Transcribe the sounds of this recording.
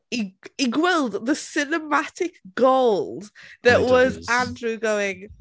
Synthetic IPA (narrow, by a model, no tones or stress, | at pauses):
iiɡwɛlˠdðəsɪnəmatʰɪkɡ̥oʊlˠdðəʔwɒzãndɹuɡoʊɪ̃ŋ